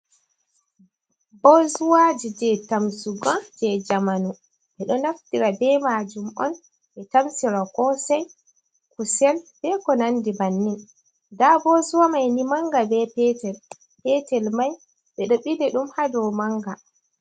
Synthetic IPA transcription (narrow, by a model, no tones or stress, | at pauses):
bɔzuwad͡ʒid͡ʒɛtamsuɡɔnd͡ʒɛd͡ʒamanu | ɓɛɗɔnaftiɾabɛmad͡ʒumʔɔn | ɓɛtamsiɾakɔsɛj | kusɛlb̥ɛkɔnandibanːin | dabɔzuwamajnimaŋɡabɛpɛtɛl | pɛtɛlmaj | ɓɛɗɔɓidɛɗumhadɔwmaŋɡa